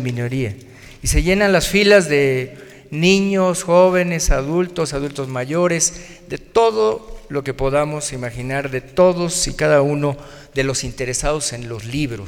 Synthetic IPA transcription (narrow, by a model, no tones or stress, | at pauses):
mĩno̞ɾia | ise̞ʝe̞nanlasfilazðe̞ | nĩɲo̞sxo̞β̞e̞ne̞saðult̪o̞saðult̪o̞zmaʝo̞ɾe̞z | ðe̞t̪o̞ðo̞lo̞ke̞po̞ðamo̞simaxinaɾðe̞t̪o̞ðo̞sikaðauno̞ | ðe̞lo̞sint̪e̞ɾe̞saðo̞se̞nlo̞zliβɾos